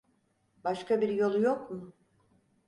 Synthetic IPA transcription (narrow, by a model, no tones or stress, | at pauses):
baʃkabiɾjo̞lˠujokmʊ